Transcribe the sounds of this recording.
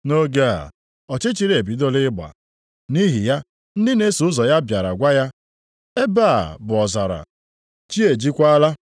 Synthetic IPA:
no˦ɡe˦a̰˨ | ɔ˨t͡ʃɪ˦t͡ʃi˦ɾe˨bi˨˦do˦lɪ˦ɡ͡ba̰˨ | ni˦ɦi˨ja˦ | n̩˦dɪ˦ne˦su˨ʊ˦zɔ˨ja˦bja˨ɾa̰˨ɡʷa˦ja˦ | e˦ba̰ː˦˨bʊ˨ɔ˨za˨ɾa̰˨ | t͡ʃi˦e˨d͡ʒi˦kʷa˦la˦

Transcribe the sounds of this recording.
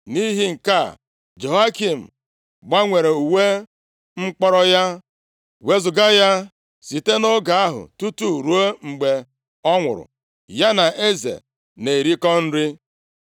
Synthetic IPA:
ni˦ɦi˦ŋ̩˨ka˦˨ | d͡ʒo˨a˦ki˨m̩˨ | ɡ͡ba˦ŋʷe˨ɾe˨u˨we˦ | ŋ͡m̩˦k͡pɔ˦ɾɔ˦ja˦ | we˦zʊ˨ɡa˦ja˦ | si˨te˦no˦ɡa˨a˦ɦʊ̰˨tu˦tu˦˨ɾu˦o˦ŋ͡m̩˨ɡ͡be˨ | ɔ˦ŋʷʊ̰˨ɾʊ̰˨ | ja˦na˨ʔe˦zḛ˨ | ne˨ɾi˦kɔ˦n̩˦ɾɪ˦

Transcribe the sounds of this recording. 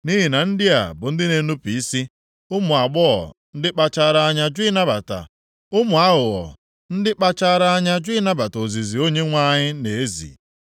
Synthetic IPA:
ni˦ɦi˨na˨n̩˦dɪ˦a̰˨bʊ˨n̩˦dɪ˦ne˨˦nu˦pi˨i˦si˦ | ʊ˦mʊ˨a˨ɡ͡bɔ˦ɔ̰˨n̩˦dɪ˦k͡pa˦t͡ʃa˦ɾa˦a˦ɲa˦d͡ʒi˦na˦ba˨ta̰˨ | ʊ˦mʊ˨a˦ɦʊ˨ɣɔ̰˨ | n̩˦dɪ˦k͡pa˦t͡ʃa˦ɾa˦a˦ɲa˦d͡ʒʊ˦i˦na˦ba˨to˨zi˨zi˨o˦ɲe˦ŋʷa˦ɲɪ˦ne˨e˦zḭ˨

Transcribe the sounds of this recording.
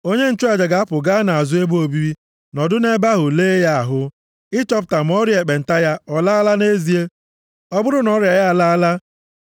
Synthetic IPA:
o˦ɲe˦n̩˦t͡ʃu˦a˨d͡ʒa˨ɡa˨˦a˦pʊ˨ɡa˦na˨a˨zʊ˦e˦bo˨bi˦ɾi˦ | nɔ˨dʊ˦ne˦ba˦ɦʊ˨leː˦ja˦a˨ɦʊ˦ | ɪ˦t͡ʃɔ˦p̬ʊ̥˨ta˨m̩˦ɔ˦ɾi˦e˨k͡pe˨n̩˨ta˦ja˦ɔ˨la˦a˦la˦ne˦zi˨e˦ | ɔ˦bʊ˦ɾʊ˦nɔ˦ɾja˨ja˦a˨la˦a˦la˦

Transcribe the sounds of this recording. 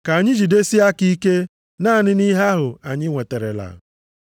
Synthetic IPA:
ka˨ɲɪ˦d͡ʒi˨de˦si˦a˦ki˦ke˦ | naː˦˨nɪ˦ni˦ɦa˦ɦʊ˨a˨ɲɪ˦ŋʷe˨te˨ɾḛ˨la̰˨

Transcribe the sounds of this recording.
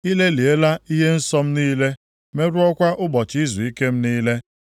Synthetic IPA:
i˦le˦li˨e˦la˦i˦ɦe˦n̩˦sɔ˦m̩˦niː˦le˦ | me˦ɾʊ˦ɔ˦kʷa˦ʔʊ˦ɡ͡bɔ˨t͡ʃi˦zu˨i˦ke˦m̩˦niː˦le˦

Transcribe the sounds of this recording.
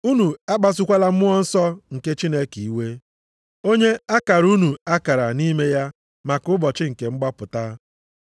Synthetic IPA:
u˦nu˨a˦ɡ͡ba˦s̬ʊ˦kʷa˦la˦m̩˦mʊ˦ɔ˦n̩˦sɔ˦ŋ̩˨ke˦t͡ʃi˦ne˦ki˨i˨we˦ | o˦ɲe˦a˦ka˨ɾu˦nu˨a˦ka˨ɾa˨ni˦me˦ja˦ | ma˨kʊ˦bɔ˨t͡ʃɪ˦ŋ̩˨ke˨ŋ͡m̩˦ɡ͡ba˦pʊ˨ta˦

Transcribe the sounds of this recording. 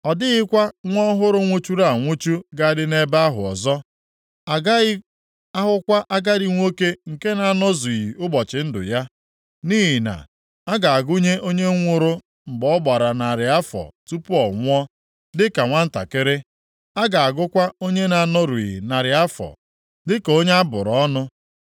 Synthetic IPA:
ɔ˨dɪ˦ɣɪ˦kʷa˦ŋʷɔ˦ɦʊ˦ɾʊ˦ŋʷo˦t͡ʃu˦ɾa˦˨a˨ŋʷo˦t͡ʃu˦ɡa˦dɪ˦ne˦ba˦ɦʊ˨ɔ̰˨zɔ˦ | a˨ɡa˦ɪ˦ | a˦ɦʊ˦kʷa˦ʔa˦ɡa˦dɪ˨ŋʷo˦ke˦ŋ̩˨ke˦na˨nɔ˦zu˨i˨i˨ʔʊ˦bɔ˨t͡ʃɪ˨n̩˦dʊ̰˨ja˦ | niː˦ɦi˨na̰˨ | a˦ɡa˨a˨ɡʊ˦ɲe˦ʔo˦ɲe˦ŋʷʊ˦ɾʊ˦ | m̩˨ɡ͡bɔ˦ɡ͡ba˨ɾa˨na˨ɾɪ˨a˦fɔ̰˨tu˦pʊ˦ɔ˨ŋʷ˦ɔ˦ | dɪ˦ka˨ŋʷa˦n̩˦ta̰˨kɪ˦ɾɪ˦ | a˦ɡa˨a˨ɡʊ˦kʷa˦o˦ɲe˦na˨nɔ˦ɾu˨i˨ḭ˨na˨ɾɪ˨a˦fɔ̰˨ | dɪ˦ko˦ɲa˦a˦bʊ̰˨ɾɔ˨˦nʊ˦

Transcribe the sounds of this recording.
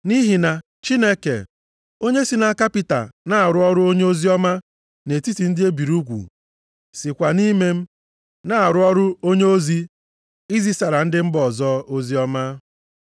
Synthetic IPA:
ni˦ɦi˨na˨ | t͡ʃi˦ne˦kḛ˨ | o˦ɲe˦si˦na˦ka˦pi˦ta̰˨na˦a˨ɾʊ˦ɔ˦ɾʊ˦o˦ɲe˦o˦zi˦ɔ˦ma˦ | ne˨ti˦ti˨n̩˦dɪ˦e˦bi˨ɾu˦kʷṵ˨ | sɪ˨kʷa˨ni˦me˦m̩˦ | na˦a˨ɾʊ˦ɔ˦ɾʊ˦o˦ɲe˦o˦zi˦ | i˦zi˦sa˨ɾa˨n̩˦dɪ˦m̩˦bɔ˨zɔ˦o˦zi˦ɔ˦ma˦

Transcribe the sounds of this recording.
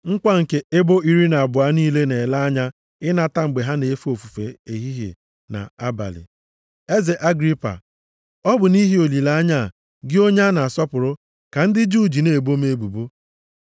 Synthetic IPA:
ŋ̩˦kʷa˦ŋ̩˨ke˨e˦bo˦i˦ɾi˦na˨a˨bʊ˨a˦niː˦le˦ne˨la˦a˦ɲa˦ | ɪ˦na˦ta˦ŋ͡m̩˨ɡ͡be˨ɦa˦ne˨˦fo˨fu˨fe˨e˨ɦi˦ɦḛ˨ | na̰˨a˦ba̰˨lɪ̰˨ | e˦ze˨ʔa˦ɡɾi˦pa̰˨ | ɔ˦bʊ˨ni˦ɦi˦o˨li˨la˦ɲa˦˨ | ɡɪ˦o˦ɲa˦na˨a˨sɔ˦pʊ˨ɾʊ˦ | ka˨n̩˦dɪ˦d͡ʒu˦˨d͡ʒi˨ne˨bo˦me˦e˦bu˨bo˦

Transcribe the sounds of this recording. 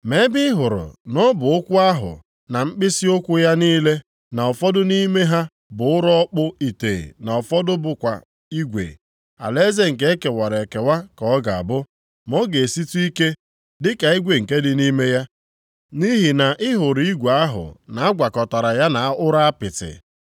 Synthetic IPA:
me˦bɪ˦ɦʊ˨ɾʊ̰˨nɔ˦bʊ˨ʊ˦kʷʊ˦a˦ɦʊ̰˨ | na˨m̩˦k͡pɪ˦si˦o˦kʷʊ˦ja˦niː˦le˦ | na˨ɔ˨fɔ˦dʊ˦ni˦me˦ɦa˦ | bʊ˨ʊ˦ɾɔ˦k͡pʊ˦i˨tḛ˨na˨ɔ˨fɔ˦dʊ˦bʊ˨kʷa̰˨ | i˦ɡʷḛ˨ | a̰˨le˦ze˦ŋ̩˨ke˦ke˨wa˨ɾe˨ke˨wa˦kɔɔ˦ɡa˨a̰˨bʊ˦ | mɔ˦ɡe˨e˨si˦tu˦i˦ke˦ | dɪ˦ka˨i˦ɡʷe˨ŋ̩˨ke˦dɪ˨ni˦me˦ja˦ | ni˦ɦi˨na˨ʔɪ˦ɦʊ˨ɾi˦ɡʷa˦ɦʊ̰˨na˨˦a˦ɡʷa˨kɔ˨ta˨ɾa˨ja˦na˨a˦ʔʊ˦ɾa˦a˦pɪ˨tɪ̰˨

